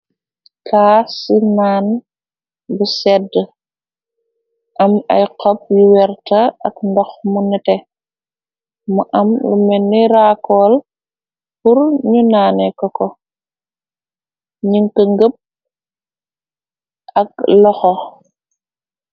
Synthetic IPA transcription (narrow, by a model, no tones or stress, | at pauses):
kʰaːsinaːn | busɛdə | ʔɐmɐ̰jqɔp̚juwɛɾtɐɐkndɔxmunɛtɛ | muʔɐmlumɛnːiɾaːkɔːl | puɾɲunaːnɛkɔkɔ | ɲiŋkəŋɡəp̚ | ʔɐk̚lɔxɔ